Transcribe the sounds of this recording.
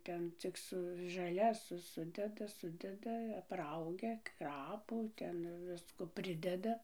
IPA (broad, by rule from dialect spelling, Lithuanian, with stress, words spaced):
ˈtʲɛn t͡sʲɪk ˈsʊ ʒɐˈlʲɛs ˈsʊdʲɛdɐ ˈsʊdʲɛdɐ ɐpˈrɐʊɡʲɛ ˈkrɑːpuː ˈtʲɛn ˈʋʲɪskoː ˈpʲrʲɪdʲɛdɐ